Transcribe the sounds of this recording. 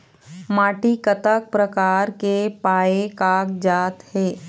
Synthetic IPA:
maːʈikət̪ək̚pɾəkaːɾkepaːekaːkd͡ʒaːt̪hɛː

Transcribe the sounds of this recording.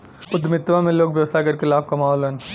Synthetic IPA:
ʊd̪mɪt̪ʋãmẽloːkʋjɐʋst̪ʰakɐɾkelaːb̚kamaːɦɔlən

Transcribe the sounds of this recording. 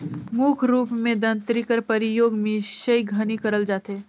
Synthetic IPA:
mukʰɾuːpmẽd̪ə̃nt̪ɾikəɾpɐɾɪjoːɡmẽʃəiɡʱənikəɾəld͡ʒaːt̪eː

